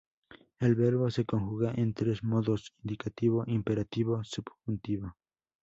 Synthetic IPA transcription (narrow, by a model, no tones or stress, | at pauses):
elβeɾβose̞koŋxuɣaʔẽnt̪ɾe̞zmoðosind̪ikat̪iβ̞oʔimpeɾat̪iβosubxunt̪iβo